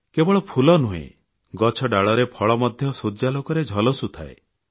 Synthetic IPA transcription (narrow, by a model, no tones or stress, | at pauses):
kebɔɭɔpʰulɔnuɦḛ̃ | ɡɔt͡ʃʰɔɖaɭɔɾepʰɔɭɔmɔd̪ʱjɔsod͡ʒalokɔɾed͡ʒʱɔlɔsut̪ʰae